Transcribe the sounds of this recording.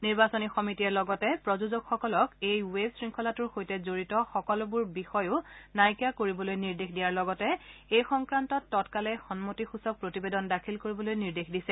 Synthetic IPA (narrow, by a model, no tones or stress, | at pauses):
niɹbasonixɔmitiɛlɔɡɔtɛpɹɔzuzoɡxɔkɔlɔkejwesɹiŋkʰɔlatʊɹxojtɛzoɹitɔxɔkɔlʊbʊɹbixɔjʊnajkjakoɹibɔlojniɹdexdijaɹlɔɡɔtɛejxɔŋkɹantɔtːɔtkalɛxɔnmotixusɔk̚pɹotibedɔndakʰilkoɹibɔlojniɹdexdisɛ